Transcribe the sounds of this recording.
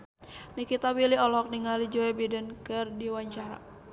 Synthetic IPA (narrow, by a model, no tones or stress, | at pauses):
nikit̪awiliɔlɦɔk̚niŋalid͡ʒoɛbidənkɨrdiwaɲt͡ʃaɾa̰